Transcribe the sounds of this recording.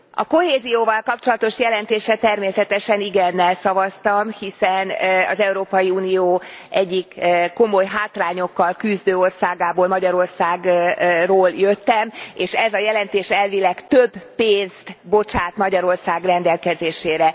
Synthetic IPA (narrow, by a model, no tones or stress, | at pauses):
ɒ̰ko̞ɦeːzijoːvɒlkɒp̚t͡ʃo̞lɒt̪o̞ʃjɛlɛnt̪eːʃɛt̪ɛrmeːsɛt̪ɛʃɛniɡɛnːɛlsɒvɒst̪ɒmhisɛnɒ̰zɛuɾoːpɒjiuːnijoːʔɛɟːikːo̞mo̞jɦaːt̪laːɲo̞kːɒlkyzd̪øːo̞rsaːɡaːboːlmɒɟɒɾo̞rsaːɡroːljøt̪ːɛmeːʃɛzɒjɛlɛnt̪eːʃɛlvilɛkt̪øbːeːnzt̪bo̞t͡ʃaːt̪mɒɟɒɾo̞rsaːɡrɛnd̪ɛlkɛzeːʃeːɾɛ